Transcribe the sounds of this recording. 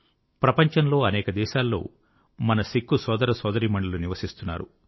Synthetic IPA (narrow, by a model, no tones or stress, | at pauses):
pɾɐpɐɲt͡ʃɐnlo̞ːɐnɛːkɐd̪ɛːʃaːlːo̞̰ː | mɐnɐsikːusɔːd̪ɐɾɐsɔːd̪ɐɾimɐɳːuluniʋɐsist̪unːa̰ːɾṵ